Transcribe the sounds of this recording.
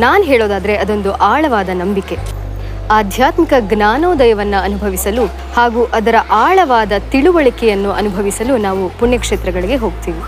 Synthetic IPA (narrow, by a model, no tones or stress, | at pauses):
naːnɦɛːɭoːd̪aːd̪ɐɾe̞ʔɐd̪o̞nd̪uʔaːɭɐʋaːd̪ɐnɐmbike̞ | aːd̪ʱjaːt̪mikɐɡnaːnoːd̪ɐjɐʋɐnːuɐnubʱɐʋisɐlu | haːɡuːʔɐd̪ɐɾɐʔaːɭɐʋaːd̪ɐt̪iɭuʋɐɭikɛjɐnːuʔɐnubʱɐʋisɐlunaːʋupuɳjɐkʂeːt̪ɾɐɡɐɭiɡe̞ɦo̞ːɡ̚t̪iːʋi